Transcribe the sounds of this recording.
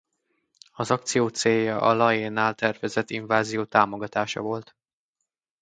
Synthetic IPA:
ɒzɒkt̪sijoːt̪seːjːɒʔɒlɒjeːnːaːlt̪ɛrvɛzɛt̪ːiɱvaːzijoːt̪aːmo̞ɡɒt̪aːʃɒ̰vo̞lt̪

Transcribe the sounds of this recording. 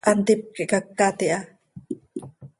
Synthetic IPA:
ʔant̪ip̚kiʔkakːat̪iʔa

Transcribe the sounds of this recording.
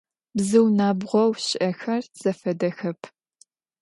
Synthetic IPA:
bzɨwnaːbʁʷɔwɕɪʔɐxɐrz̥ɐfɐdɐxɐpʰ

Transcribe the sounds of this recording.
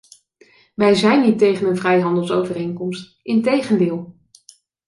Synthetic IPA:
ʋɛjzɛjnɦitejχənənvrɛjɦɑndəlˠsowvərejŋkɔmst | ɪntejχəndɪːlˠ

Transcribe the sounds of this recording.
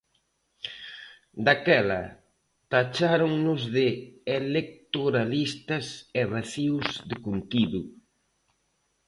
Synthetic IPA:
d̪akɛlɐ̰ | t̪at͡ʃaɾoŋnʊzðɪelek̚t̪oɾalist̪ɐsɛβaθiwzðɪkunt̪iðʊ

